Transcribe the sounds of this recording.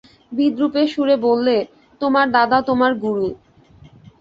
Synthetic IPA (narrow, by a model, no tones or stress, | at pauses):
bid̪ɾupeʃuɾebolːe | t̪omaɾd̪ad̪at̪omaɾɡuɾu